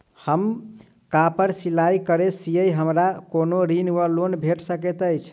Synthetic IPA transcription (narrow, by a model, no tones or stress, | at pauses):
həm | kapəɾsilaikəɾesijəjɦəmɾakonoɾinʋəlonbʱeʈsəkɛt̪əjt͡ʃʰ